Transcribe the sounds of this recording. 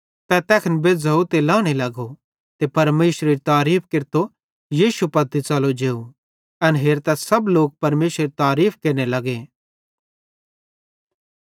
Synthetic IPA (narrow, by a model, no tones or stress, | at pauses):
t̪ɛt̪ɛːkʰnbed͡zɐut̪elãːɽ̃elɐɡo | t̪epɐɾmeːʃɾeɾit̪aːɾiːpʰkɪɾt̪o | jiːsupɐd̪it͡sɐlod͡ʒeːu | ɐnɦeːɾt̪ɛsɐbloːk̚pɐɾmeːʃɾeɾit̪aːɾiːpʰkeɾnelɐɡe